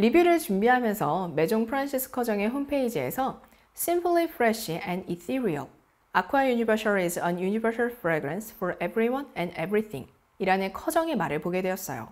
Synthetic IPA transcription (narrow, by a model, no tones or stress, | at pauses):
ɾibiɾɯɭt͡ɕumbiɦamjʌnsʰʌme̞d͡ʑoŋpʰɯɾansʰisʰɯ̥kʰʌd͡ʑʌŋe̞ɦompʰe̞id͡ʑie̞̰sʰʌ | s͈ʰimpʰlipʰɾeɕiɛ̃ndiθiɾiʌ̰l | akʰwajuɲibʌsaɭizʌ̃njuɲibʌɾsaɭfʰɾeɡɾensfʌɾebɾiwʌnɛ̃ndebɾiθʰḭŋ | iɾanɯnkʰʌd͡ʑʌŋe̞maɾɯɭpoɡe̞dwe̞jʌs͈ʌ̰jo̰